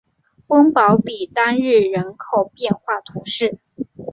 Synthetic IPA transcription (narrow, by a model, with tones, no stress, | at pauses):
ə˥ŋpɑ˧˥ʊpi˨˩t̪a˥nɻɻ̩˥˩ɻə˧˥nkʰo˨˩ʊpjɛ˥˧nxwa˥˩t̪ʰu˧˥ʂɻ̩˥˩